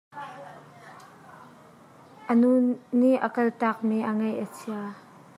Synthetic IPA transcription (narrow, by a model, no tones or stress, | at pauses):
ʔənunnːiʔʔəkɐlt̪ak̚miʔəŋɐjʔət͡sʰia